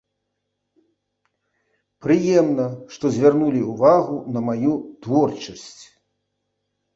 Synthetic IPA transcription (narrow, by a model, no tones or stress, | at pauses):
pɾɨjɛmnɐʂt̪ɔzʲvʲarnulʲiuvaɣunɐmajut̪vɔrt͡ʂɐsʲt͡sʲ